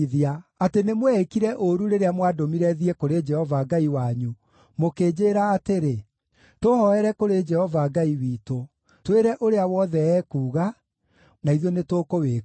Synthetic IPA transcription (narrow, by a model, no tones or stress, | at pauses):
ðiaatenemwɛekiɾɛʔoɾuɾeɾeamwadomiɾɛðiɛkoɾed͡ʒɛhɔvaɡaiwaɲu | mokeːd͡ʑeɾaːteɾe | tohɔɛɾɛkoɾed͡ʒɛhɔvaɡaiwiːto | tweɾɛʔoɾeawɔðɛɛkuːɣa | naiðjɔnetokowe